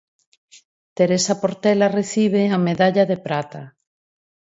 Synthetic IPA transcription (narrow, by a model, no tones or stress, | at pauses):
t̪eɾesapoɾt̪ɛlareθiβ̞eameðaʎaðepɾat̪a